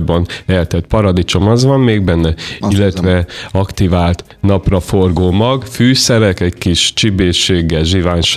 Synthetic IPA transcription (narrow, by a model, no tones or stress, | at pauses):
bɒnɛlt̪ɛt̪pɒɾɒd̪it͡ʃo̞mɒzʋɒmmeːɡ̚bɛnːɛilːɛt̪vɛɒkt̪ivaːlt̪ | nɒprɒfo̞rɡoːmɒɡfyːsɛɾɛkɛckiʃt͡ʃibeːʃeːɡːɛlʒivaːnʃ